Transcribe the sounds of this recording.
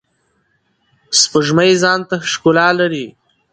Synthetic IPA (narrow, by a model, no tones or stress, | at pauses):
spəʒmajzɑːnt̪aʃkolɑːlaɾi